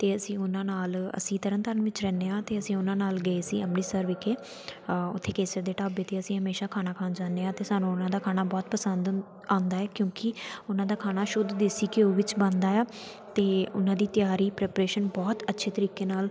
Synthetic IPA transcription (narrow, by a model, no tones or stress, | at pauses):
t̪eːəsĩːʊnãːnaːlə̰sĩːt̪əɾənt̪əɾənʋɪt͡ʃɾɛ̃ːneːãːt̪eːəsĩːʊnãːnaːlɡəeːsiːəmniːsəɾʋeːkeː | ʊ̰t̪ʰːeːkeːsəɾd̪eːʈaːbeːt̪eːəsĩːɦəmeːʃaːkʰaːnaːkʰaːnd͡ʒaːnːeːãːt̪eːsaːnũːʊnãːd̪aːkʰaːnaːbɔːt̪pəsənd̪ | ãːnd̪aːɛːkjõːkɪʊnãːd̪aːkʰaːnaːʃʊd̪d̪ɪsiːkɪoːʋɪt͡ʃbə̃nd̪aːaː | t̪eːʊnãːd̪iːt̪jaːɾiːpɾɛːpɾeːʃənbɔːt̪ətːʃʰeːt̪əɾiːkeːnaːl